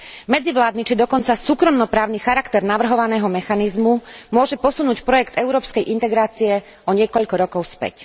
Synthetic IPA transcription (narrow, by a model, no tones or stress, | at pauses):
mɛd͡ziʋlaːd̪nit͡ʃid̪ɔkɔnt͡sasuːkɾɔmnɔpɾaːʊnixaɾakt̪ɛɾnaʋr̩ɦɔʋanɛːɦɔmɛxanizmumʊɔʒɛpɔsunuːcpɾɔjɛkt̪ɛʊɾɔːpskɛjʔint̪ɛɡɾaːt͡siɛ | ʔɔɲɪɛkɔʎkɔɾɔkɔʊspɛ̰c